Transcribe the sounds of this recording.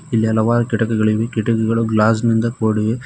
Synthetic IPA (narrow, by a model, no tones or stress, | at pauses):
ɪlːɐjɐlɐʋaːɾɐkɪɽɐkːɯɣɐɭɯʋɯkɪɽɐkːɯɣɐɭɯɡlaːs̬mɪnd̪ɐkoːɽɯʋɯ